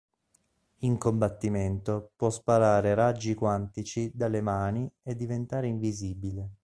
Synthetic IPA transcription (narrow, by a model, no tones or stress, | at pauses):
iŋkombat̪ːiment̪opwɔspaɾaːɾeɾad͡ʒːikwant̪it͡ʃid̪alemaːnied̪ːivent̪aːɾeiɱviziːbile